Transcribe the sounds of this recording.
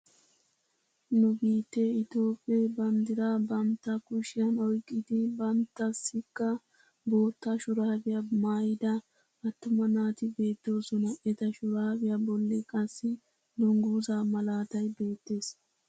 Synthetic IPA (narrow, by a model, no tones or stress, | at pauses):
nʊbiːt̪ːeɪt̪o̞ːpʼːebɐnd̪ɪɾaːbɐnt̪ːɐkʊʃɪjɐnɔjkʼːɪd̪ɪbɐnt̪ːɐsːɪkːɐ | bo̞ːt̪ːaʃʊɾaːbɪjamaːjɪd̪ɐ | ɐt̪ːʊmɐnaːt̪ɪbe̞ːt̪ːo̞ːsɔnɐʔɛt̪ɐʃʊɾaːbɪjabɔlːɛkʼɐsːɪ | d̪ʊŋɡuːzaːmɐlaːt̪ɐjbe̞ːt̪ːe̞ːs